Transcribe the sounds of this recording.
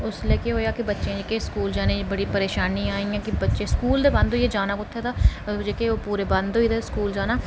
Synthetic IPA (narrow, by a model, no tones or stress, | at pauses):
ʊsleːkeɦoːjaːkibətːʃẽd͡ʒekeskuːld͡ʒaːnẽbəɽipəɾeːʃaːniaːĩãːkibətːʃẽskuːld̪ebɐ̃nd̪ojed͡ʒaːnakʊt̪ʰːet̪ʰaːd͡ʒeːkeopuːɾebɐ̃nd̪oːit̪eskuːld͡ʒaːnaː